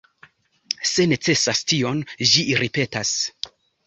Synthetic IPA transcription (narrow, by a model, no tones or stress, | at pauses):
se̞ne̞t͡se̞sastio̞nd͡ʒiɾipe̞tas